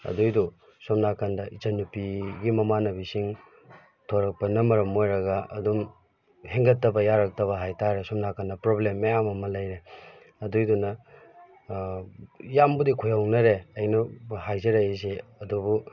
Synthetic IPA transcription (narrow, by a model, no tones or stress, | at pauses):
ɐ̰dujdu | somnakʰandɐʔit͡ʃɐnupiɡimɐmanɐbisiŋ | tʰoɾɐk̚pɐnɐmɐɾɐmojɾɐɡɐʔɐ̰dum | heŋɡɐtːɐbɐjaɾɐk̚tɐβɐɦajtʰaɾesomnakʰandɐpɾoblemːɐjamɐmɐlɐjɾe | ɐdujdunɐ | jambudikʰojawnɐɾeɐjnɐhajzeɾajes̬eɐdubu